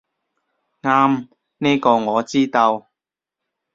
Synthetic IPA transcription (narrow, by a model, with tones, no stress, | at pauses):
ŋaː˥m | niː˥kɔː˧ŋɔː˨˧t͡siː˥t̪o˧w